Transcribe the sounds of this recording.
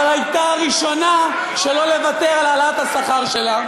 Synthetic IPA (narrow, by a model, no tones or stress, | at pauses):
lajt̪aʁiʃo̞na | ʃe̞lo̞le̞vat̪eʁalalaat̪hasaχaʁʃe̞la